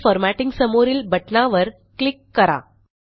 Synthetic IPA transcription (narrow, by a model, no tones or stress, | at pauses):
fəɾmæʈiŋɡsəmoɾiːlbəʈnaʋəɾ | klikːəɾa̰